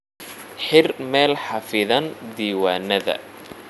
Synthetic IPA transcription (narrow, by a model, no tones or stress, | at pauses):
ħɪrmɛːlħɑfɪðɐnd̪iːwaːnɐðɐ̰